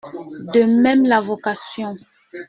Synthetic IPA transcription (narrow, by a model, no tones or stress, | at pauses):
d̪əmɛ̃mlavokasjɔ̃